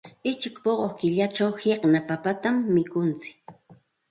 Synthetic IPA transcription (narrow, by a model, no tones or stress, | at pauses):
ɪt͡ʃɪkpoɢokɪʎaʈ͡ʂawheqnapapat̪amːɪkʊnt͡sɪ̥k̚